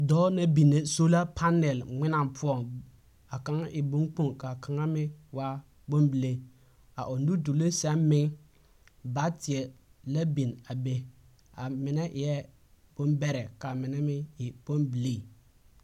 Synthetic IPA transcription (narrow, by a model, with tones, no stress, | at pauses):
dɔ˦na˦bi˨nːe˨so˦la˦pʰa˦nɛ˨lŋɪ˦na˨mpʰʊ˦ɔ˦˨ŋ | a˨ka˦ŋʔɪ˨bʊ˦ŋk͡po˦ŋka˨kʰa˨ŋa˦mɪ˦wa˦ | bo˦mbi˨le˦ | a˨ʔo˨nu˦du˨le˦sɛ˦mmɪ˦ŋ | ba˦tɪ˨ɛ˨la˦bi˨na˨be˦ | a˨mɪ˨nɛ˦ʔɪ˨jɛ˦ | b̥o˦nbɛ˦ɾɛ˨ka˨mɪ˨nɛ˦mɪ˦ɪ˨b̥o˦mbi˨le˦˨